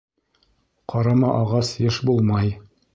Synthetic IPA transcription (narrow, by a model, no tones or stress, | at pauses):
qʰɑɾɑmɑʔɑʁɑsjɤʃbulˠmɑj